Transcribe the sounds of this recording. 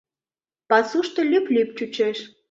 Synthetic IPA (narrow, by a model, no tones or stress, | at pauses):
pɑsuʃt̪ŏlʲyplʲyp̚t͡ɕut͡ɕeʃ